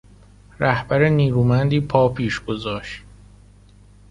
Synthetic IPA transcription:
ɾæhbæɾeniːɾuːmænd̪iːpʰɒːpʰiːʃɡ̥ozɒːʃt̪

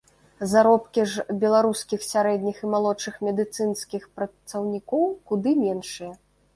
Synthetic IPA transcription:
zaɾɔpkʲiʐbʲɛlˠaɾuskʲixsʲaɾɛd̪ʲnʲiximalˠɔt͡ʂɨxmʲɛd̪ɨt̪sɨnskʲixpɾɐt̪sɐwnʲikɔwkud̪ɨmʲɛnʂɨjɐ

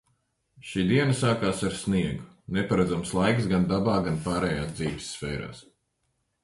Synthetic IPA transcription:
ʃiːd̪iɛnɐsaːkaːsaɾsniɛɡu | nepaɾad̪zamslˠajksɡand̪abaːɡanpaːɾɛjaːsd̪ziːvisːfɛːɾa̰ːs

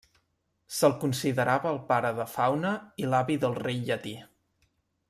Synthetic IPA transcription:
səlˠkunsiðəɾʔaβəːlˠpaɾəðəfawnəilaβiðəlˠrejʎət̪i

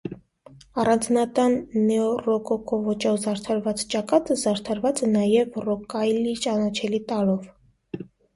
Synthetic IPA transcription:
ɑrɑnd͡znɑt̪ɑnːɛɔrɔkɔkɔvɔt͡ʃɔzɑɾt̪ʰɑɾvɑt͡st͡ʃɑkɑt̪əzɑɾt̪ʰɑɾvɑt͡sɛnɑjɛvrɔkɑjlit͡ʃɑnɑt͡ʃʰɛlit̪ɑlɔv

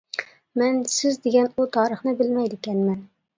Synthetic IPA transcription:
mɛnsɪzd̪eɡʲɛnut̪ʰɑːɾəχnɨbɪlmɛjd̪ɪkʲɛnmɛn

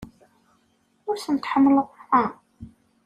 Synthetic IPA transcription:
ʊɾθənt̪ħəmːələʁæ

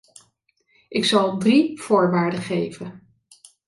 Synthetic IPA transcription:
ʔɪksɑlˠdriv̥ʊːɹʋaːɹdəχejvən

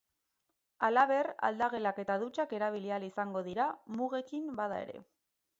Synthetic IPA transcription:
alaβe̞ra̰ld̪aɣe̞lake̞t̪aðut͡ʃake̞ɾaβ̞ilialisaŋɡo̞ðiɾamuɣe̞kimbaðae̞̰ɾe̞̰

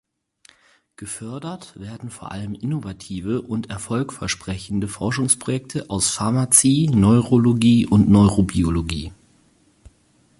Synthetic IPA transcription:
ɡ̥əfœɐdɐtv̥eːɐdn̩foːɐʔa̰ləmʔɪnovatʰiːvəʔʊntɛɐfɔlkfɛɐʃpʁ̥ɛçn̩dəfɔɐʃʊŋspʁ̥ojɛk̚tʰəʔaʊsfaɐmat͡siːnɔʏʁoloɡiːʔʊntnɔʏʁobioloɡḭː

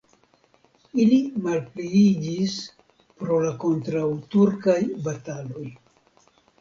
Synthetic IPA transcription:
ilimalpleid͡ʒis | pɾo̞lako̞ntɾawtuɾkajbatalo̞j

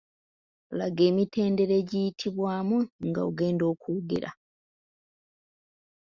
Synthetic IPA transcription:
laɡe̞ːmite̞ːnde̞ɾe̞ɟijitʰiβwaːmuŋɡa̰o̰ɡe̞ːndo̞ːkuɡḛɾa̰

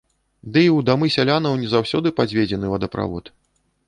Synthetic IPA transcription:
d̪ɨiwd̪amɨsʲalʲanɐwnʲɛzawsʲɔd̪ɨpad͡zʲvʲed͡zʲɛnɨvɐd̪ɐpɾa̰vɔ̰t̪

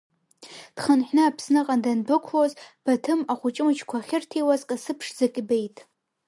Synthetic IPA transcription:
d̥χənħʷᶣnɨapʰsnɨqʼandandɨkʷʰozb̥atʰɨmaχʷʊt͡ʃʼɪmɨt͡ʃʰkʷʰaχʲɪrtʰejwazqʼasɨpʰʂzakʲʼbejtʼ

